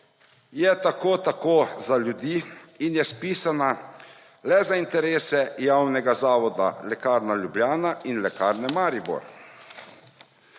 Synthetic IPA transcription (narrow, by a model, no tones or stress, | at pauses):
jɛt̪akoːt̪akoːzaljud̪iːinjɛspiːsana | lɛzaint̪ɛɾeːsɛjawnɛɡazaːʋɔd̪a̰lɛkaːɾnalʲjubljaːnainlɛkaːɾnɛmaːɾibɔ̰ɾ